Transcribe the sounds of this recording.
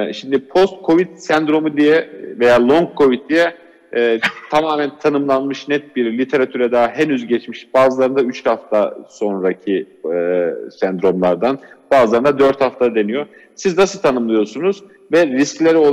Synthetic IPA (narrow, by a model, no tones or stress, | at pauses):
ʃimd̪ipʰo̞st̪̚kʰo̞vit̪sɛnd̪ɾo̞mud̪ijɛve̞jaːlˠo̞ŋkʰːo̞vit̪̚d̪ijɛː | t̪ʰamaːmænt̪ʰanɯmlˠanmɯʃnɛt̪̚biɾlʲit̪ʰe̞ɾat̪ʰyɾɛd̪aɦenyzɟɛt͡ʃmiʃbaːzɯlˠaɾɯnd̪ayt͡ʃhaft̪ʰaso̞nɾacʰi | sænd̪ɾo̞mlˠaɾd̪anbaːzɯlˠaɾɯnad̪øɾt̪haft̪ʰad̪e̞nijo̞ | siznasɯt̪ʰanɯmlˠɯjo̞sunuz̥ | vɛɾisclʲeɾio